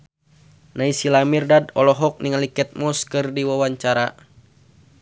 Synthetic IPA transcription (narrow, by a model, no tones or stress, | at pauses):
naisilamirdadɔlɔɦɔk̚niŋalikɛt̪̚mɔskɨrdiwawaɲt͡ʃaɾa